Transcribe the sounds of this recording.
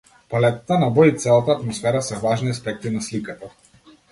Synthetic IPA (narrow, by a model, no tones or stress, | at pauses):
palɛt̪at̪anabɔit̪sɛlˠat̪aːt̪mɔsfɛɾasɛvaʒniaspɛk̚t̪inaslikat̪a